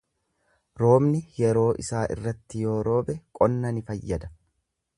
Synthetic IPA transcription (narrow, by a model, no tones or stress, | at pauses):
ɾo̞ːmnɪjɛɾo̞ːʔɪsaːʔɪ̰rːɐt̪ːɪjo̞ːɾo̞ːbɛkʼɔnːɐnɪfɐjːɐd̪ɐ̥